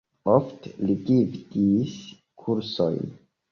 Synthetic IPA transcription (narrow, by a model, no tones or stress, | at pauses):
ofteliɡivdis | kʰuɾso̰jn